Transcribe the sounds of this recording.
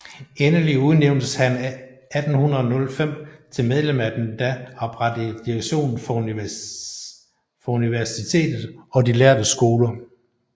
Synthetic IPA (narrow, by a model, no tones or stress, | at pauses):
enəliuð̞ˠneʊnd̥əshæn | æd̥n̩hunʁɐð̩ˠnɔ̽lfem̰t͡sʰe̝lmeð̞ˠlemæd̥n̩d̥æɑ̈b̥ʁɑd̥əd̥iʁeɡ̥ɕo̝̰ːnn̩fɒ | fɒ̽uniʋæɐsit͡sʰe̝̰ːd̥ð̩ˠɒ̽dilæɐd̥əsɡ̥o̝ːlɐ